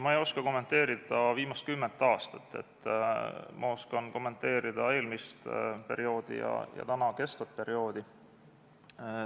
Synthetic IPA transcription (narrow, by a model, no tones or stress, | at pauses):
mɑejo̞skɑko̞mːent̪ːˑe̞ːɾid̪̥ɑviːmɑst̪̚kymːent̪ːˑɑːst̪ɑt̪ːˑe̞̰t̪ːˑ | mʔɑo̞skɑnko̞mːe̞nt̪ːˑe̞ːɾid̪̥ɑe̞ːlmist̪pe̞̰ɾio̞ːd̪̥ḭjɑ̰jɑ̰t̪ænɑke̞st̪vɑt̪̚pe̞ɾio̞ːd̪̥i